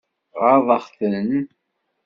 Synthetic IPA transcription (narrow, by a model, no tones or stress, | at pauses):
ʁɑɾðˤɑχθən